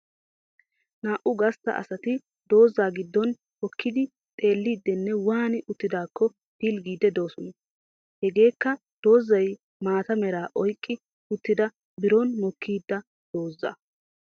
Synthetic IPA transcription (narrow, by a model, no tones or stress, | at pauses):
naːʔʊɡɐst̪ːɐ̰ʔɐ̰sɐt̪ɪ | d̪̥o̞ːzːaːɡɪd̪ːɔn | hɔkʰːɪd̪ɪ | t̪ʼe̞ːlːiːd̪ːɛnːɛwaːnɪʔʊt̪ːɪd̪aːkːɔ | t̪ilɡiːd̪ɛd̪o̞ːsɔnɐ | hɛɡe̞ːkːɐ | d̪̥o̞ːzːɐj | maːt̪ɐmɛɾaːʔɔjkʼːɪ | ʊt̪ːɪd̪ɐ | bɪɾɔnmɔkʰːiːd̪ːɐ | d̪̥o̞ːzːɐ̰